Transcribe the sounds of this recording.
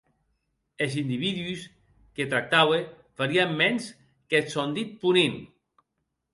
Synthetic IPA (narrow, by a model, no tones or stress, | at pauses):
ezind̪iβiðuis | ket̪ɾak̚t̪awe | faɾiamːɛns | ket̪sond̪it̪̚punin